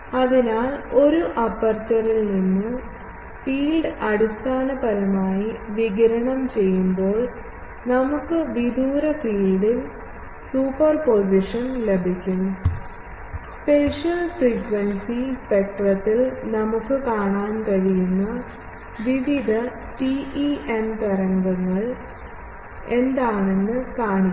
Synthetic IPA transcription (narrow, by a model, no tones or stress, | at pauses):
ɐðinaːɭo̞ɾuʔɐpːɐrt͡ɕːɐrilninːɨ | fiːlɖɐɽust̪aːnɐbɐɾɐmaːjiʋiɣɐɾɐɳɐmt͡ɕe̞jːumbo̞ːɭ | nɐmukːɨʋid̪uːɾɐfiːlɖil | suːpːɐrpo̞s̬iʂɐnlebʱikʲːunːu | spe̞ʂɐlsiːkʋɐnsispek̚ʈrɐt̪ːilnɐmukːɨkaːɳaːnkɐɻijunːɐ | ʋiʋid̪ʱɐ | ʈiʔiemt̪ɐɾɐŋɡɐŋːɐɭ | e̞nd̪aːɳe̞nːɨkaːɳikː